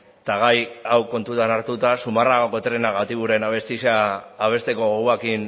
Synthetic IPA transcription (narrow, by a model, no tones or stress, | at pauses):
t̪aɣ̞ajawko̞nt̪ut̪anaɾt̪ut̪asumaraɣo̞ko̞t̪ɾe̞naɣat̪iβuɾe̞naβ̞e̞st̪isaːβ̞e̞st̪e̞ko̞ɣoɣuakin